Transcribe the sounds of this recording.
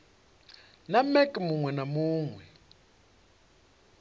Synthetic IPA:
namɛkʼmuŋwɛnamuːŋwɛ

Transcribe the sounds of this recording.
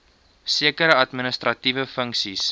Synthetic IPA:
siəkəɾəɐtminəst̪rɐtivəfəŋksis

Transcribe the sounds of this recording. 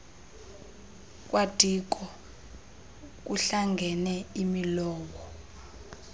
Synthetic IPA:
k̬ʼwʔad̥ʱik̬ʼɔ | k̬uɬaŋɡʱɛnɛimilɔːwɔ

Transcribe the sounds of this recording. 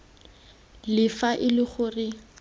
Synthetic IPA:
lɪfaʔɪlɪχʊrɪ

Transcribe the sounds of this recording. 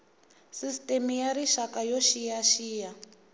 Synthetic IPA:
sistʼemijaɾiʃakajoʃijaʃiːja

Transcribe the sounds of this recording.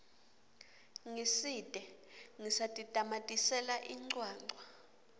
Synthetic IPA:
ŋisidʼʱɛ | ŋisatʼid̥ʱʼamatʼisɛlaʔiŋ͡ǀwaːŋ͡ǀʱwa

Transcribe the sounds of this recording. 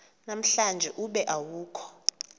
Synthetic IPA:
nam̩ɬand͡ʒʱɛʔuɓɛʔawuːkʰɔ̥

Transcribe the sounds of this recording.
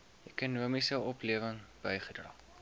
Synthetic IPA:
ɛkunuəmisəɔpliəvəŋb̥əjχədrɑ̰ː

